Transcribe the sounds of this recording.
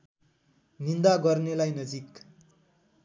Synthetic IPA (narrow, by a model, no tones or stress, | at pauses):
nind̪aɡʌrnelajnʌd͡zik